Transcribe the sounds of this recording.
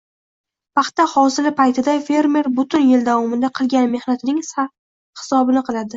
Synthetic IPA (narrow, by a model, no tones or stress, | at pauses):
pʰɑχt̪ahɒsɪlɪpajt̪ʰɪd̪afe̞ɾme̞ɾbʊt̪ʰʊnjɪld̪avɒmɪnd̪aqʰɨlˠɡʲanme̞hnat̪ʰɪnɪŋ | hɪ̥sɒbɪnɪqʰɨlˠad̪ɪ